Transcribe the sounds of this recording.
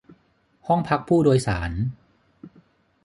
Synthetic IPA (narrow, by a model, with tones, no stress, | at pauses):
hɔ˥˩ŋpʰa˦˥k̚pʰuː˥˩doː˧jsa̰ː˩˦n